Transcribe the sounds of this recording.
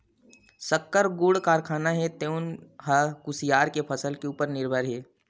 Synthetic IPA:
sɐkːəɾɡuːɽkaːɾkʰaːnaɦɛt̪eːʊnɦɐkʊsijaːɾkepʰɐsəlkeuːpəɾnɪɾbʱəɾɦeː

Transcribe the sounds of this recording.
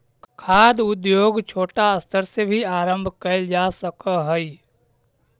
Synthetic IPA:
kkʰaːd̪ʊd̪joːɡt͡ʃʰoːʈaəst̪ʰəɾsebʱiaːɾə̃mbʱkəɪld͡ʒaːsəkəɦəi

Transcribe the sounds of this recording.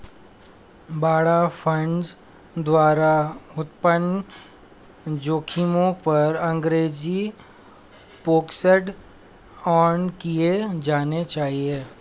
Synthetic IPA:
baːɽafʰə̃ɳɖs | d̪waːɾaʊt̪pən | d͡ʒoːkʰimõpɐɾɐ̃ŋɡɾeːd͡ʒi | poːksəɖ | ɔːnkied͡ʒaːnet͡ʃaːɦieː

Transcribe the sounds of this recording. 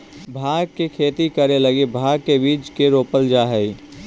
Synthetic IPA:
bʱaːɡ̚kekʰeːt̪ikəɾeləɡebʱaːɡkebiːt͡ʃkeɾoːpəld͡ʒaɦɛi

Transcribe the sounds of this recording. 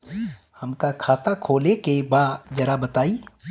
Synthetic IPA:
hɐmkakʰaːt̪akʰoːlekebad͡ʒɐɾabɐt̪aːi

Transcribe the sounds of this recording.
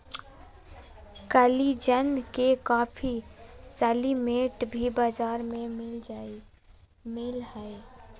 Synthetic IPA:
kəlid͡ʒənkekapʰisəlimeʈbʱibad͡ʒaɾmemil | milhəj

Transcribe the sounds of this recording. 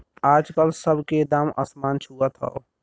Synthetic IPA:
aːd͡ʒkəlsəbʱked̪amə̰smant͡ʃʰuət̪ɦə̰o

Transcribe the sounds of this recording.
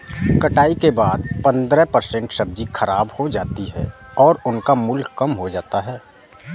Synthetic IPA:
kɐʈaːikebaːd̪̚pɐ̃nd̪ɾɛɦpɐɾsɛ̃ɳʈʃɐb̚d͡ʒixʰɐɾaːbhod͡ʒaːt̪iɦɛ̰ːɔːɾʊnkamʊlkːɐmɦod͡ʒaːt̪aɦɛː

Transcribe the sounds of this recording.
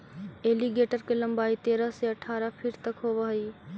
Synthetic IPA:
eliɡeʈəɾkelə̃mbaːit̪eːɾəseəʈʰːaːɾəpʰiɾt̪əkɦobəɦəi

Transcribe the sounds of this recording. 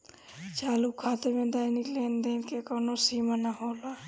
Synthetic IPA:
t͡ʃaːlukʰːaːt̪eɾmẽd̪aːɪnikleːnd̪enkekonosiːmənaɦoːla

